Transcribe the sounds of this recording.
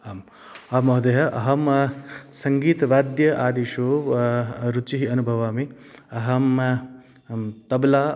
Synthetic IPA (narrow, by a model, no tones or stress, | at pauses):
am | ɐmɐɦd̪eɦɐʔɐɦɐm | sɐŋɡiːt̪ɐʋaːd̪jɐʔaːd̪iʃoː | ɾut͡ʃiɦiɐnubʱɐʋaːmi | ɐɦɐm | t̪ɐblaː